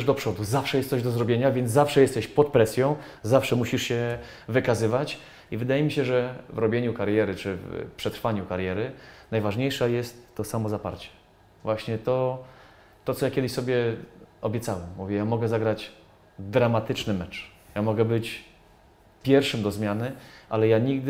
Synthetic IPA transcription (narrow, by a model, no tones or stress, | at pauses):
ʐd̪ɔpʂɔd̪uzafʂɛjɛst̪sɔʑd̪ɔzɾɔbʲjeɲavʲjɛnafʂɛjɛst̪ɛɕpɔt̪̚pɾɛsʲjɔ̃w̃ | zafʂɛmuɕiʂɕɛ | vɘkazɘvat͡ɕ | ivɘd̪ajɛmʲiɕɛʐɛvɾɔbʲjeɲukaɾjɛɾɘt͡ʂɘfpʂɛt̪ɾfaɲukaɾjɛɾɘnajvaʐɲejʂajɛst̪ːɔsamɔzapa̰ɾt͡ɕɛ̥ | vwaɕɲɛt̪ɔ | t̪ɔt̪sɔjakʲɛd̪ɘɕsɔbʲjɛɔbʲjɛt̪sawɛmːuvʲjɛjamɔɡɛzaɡɾad͡ʑ | d̪ɾamat̪ɘt͡ʂnɘmɛt͡ʂ | jamɔɡɛbɘt͡ɕ | pʲjɛɾfʂɘmd̪ɔzmʲjanɘʔalɛjaɲiɡd̪